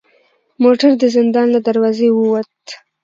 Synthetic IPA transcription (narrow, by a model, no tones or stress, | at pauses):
moʈaɾd̪əzɪnd̪ɑnlad̪aɾwɑzewəwat̪